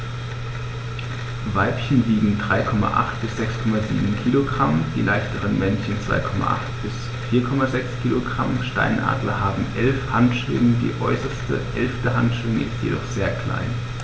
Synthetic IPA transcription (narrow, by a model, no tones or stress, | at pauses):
vaɪpçən̩liːɡŋ̩dʁaɪkʰɔma̰ʔa̰χtb̥ɪsz̥ɛkskʰɔmazḭːbm̩kʰiːloɡʁamd̥ḭːlʔaɪçtəʁənmɛnçən̩t͡sv̥a̰ɪkʰɔma̰ʔa̰χtb̥ɪs | fiːɐkʰɔmazɛkskʰiːloɡʁamʃta̰ɪnʔa̰ːdlɐhaːbm̩ʔɛlfhantʃv̥ɪ̰ŋədḭːʔɔʏsɐstə̰ʔɛlftəɦantʃv̥ɪŋʔɪ̰stjḛdɔχz̥eːɐkl̥a̰ɪn